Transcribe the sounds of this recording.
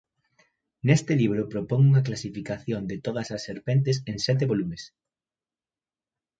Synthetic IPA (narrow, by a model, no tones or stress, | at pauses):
nest̪ɪliβ̞ɾʊpɾopoŋuŋɐk̬lasifikaθjond̪ɪt̪oðɐsɐsːeɾpent̪es̬eŋsɛt̪̬eβolumes